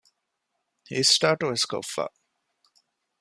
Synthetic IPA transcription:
hiːsʈaːʈuesko̰ːfa̰

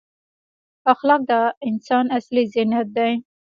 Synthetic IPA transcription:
axlɑk̚d̪aɪnsɑnaslizɪnat̪̚d̪aj

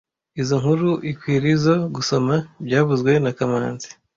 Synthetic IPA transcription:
izoŋhuɾuʔikwiːɾizo̞ɡuso̞mabɟaːβuzɡwe̞nakamaːnzi̥

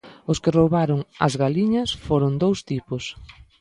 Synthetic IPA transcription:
ʊskɪrowβaɾʊŋɐ̰zɣaliɲɐsfoɾʊnd̪owst̪ipʊs

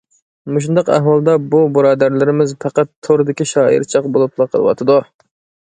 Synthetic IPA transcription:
muʃ̬und̪ɑqæ̰hwɑlˠd̪ɑbubʊɾɑːd̪æɾlɪɾɪmɪzpʰɑqɑt̪ʰːoɾɨd̪ɪkʲiʃɑːḭɾt͡ʃʰɑqbolˠup̚lˠɑqʰəlˠɨ̰wɑ̰t̪ʰɨd̪u

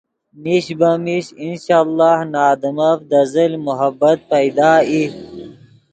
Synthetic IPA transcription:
miɕbɐmiɕinɕaːlːɑːhnaːd̪əmafd̪ɐzɐlmʊɦɐbːɐt̪̚pɐjd̪aːi

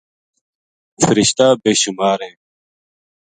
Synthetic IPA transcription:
fəɾiɕt̪aːbeːɕumaːɾɦẽː

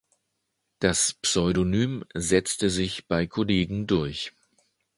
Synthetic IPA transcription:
d̥aspsɔʏɾonyːmzɛt͡stəzɪçb̥aɪkʰʊleːɡŋ̩dʊɐç

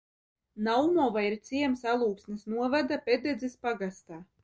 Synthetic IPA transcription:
nawmɔvaiɾt̪siɛmsalˠuːksnisnuɔvad̪aped̪ed̪zʲispaɡast̪aː

